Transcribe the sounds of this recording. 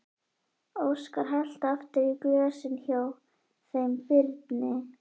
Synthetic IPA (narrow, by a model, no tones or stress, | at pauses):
owskaɾ̥ɦal̥t̪aft̪ɪɾiklʏːɣasɪnçaːw | θejmpɪɾt̪nɪ